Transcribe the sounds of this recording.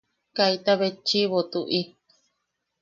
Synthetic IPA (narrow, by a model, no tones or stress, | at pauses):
kait̪aβet͡ʃiβot̪uʔi